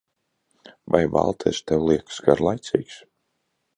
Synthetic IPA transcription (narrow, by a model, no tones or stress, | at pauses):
vajba̰lˠt̪ʰɛ̰ʃt̪ɛwlˠiɛksɡaɾlˠajt̪siːks